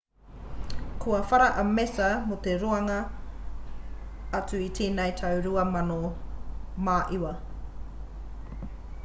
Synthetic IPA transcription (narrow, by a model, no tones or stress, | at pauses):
kʰuɐfɐɾɐʔɐmesɐmot̪eɾuɐŋɐ | at͡suitʰeːnɐjtʰɐwɾuɐmɐno | maːʔiwɐ